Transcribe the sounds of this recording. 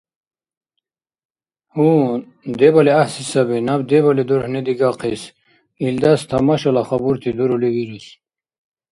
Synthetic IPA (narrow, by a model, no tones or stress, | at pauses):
hu | d̪ebaleahsisɐbinabd̪ebaled̪uɾhned̪iɡaqʰis | ild̪ast̪ʰɐmaɕolaxabuɾt̪ʰid̪uɾolewiɾis